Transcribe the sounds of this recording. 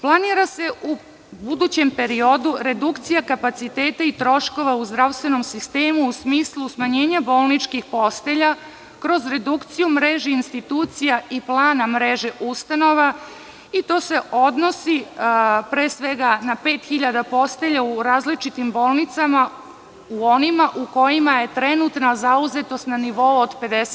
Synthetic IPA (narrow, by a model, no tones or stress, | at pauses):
plˠaniɾase̞u | bud̪ut͡ɕe̞mpe̞ɾio̞d̪uɾe̞d̪ukt̪sijakapat̪sit̪e̞ːt̪ait̪ɾo̞ʃko̞ʋauzd̪ɾawst̪ʋe̞no̞msist̪e̞ːmuːsmiːslˠusmaɲe̞ːɲabo̞ːlˠnit͡ʃkixpo̞st̪e̞ʎa | kɾo̞zɾe̞d̪ukt̪sijumɾe̞ʒeinst̪it̪uːt̪sijaiplˠaːnamɾeʒe̞ʔust̪ano̞ʋa | it̪o̞ːse̞ʔo̞d̪no̞si | pɾe̞ːsʋe̞ɡanape̞ːt̪xiʎad̪apo̞st̪e̞ʎauɾaːzlit͡ʃit̪imbo̞ːlˠnit̪sama | uonimaʔuko̞jimaje̞t̪ɾe̞nut̪nazauze̞t̪o̞st̪naniʋo̞uod̪pe̞d̪es